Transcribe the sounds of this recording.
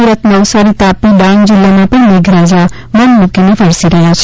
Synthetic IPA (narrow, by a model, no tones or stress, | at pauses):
uɾət̪nɐwsaɾit̪aːpiɖaːnd͡ʒɪlːamãpəɽ̃meɡʱɾaːd͡ʒa | mɐnmũkinepʰɐɾsiɾəɦjat͡ʃʰ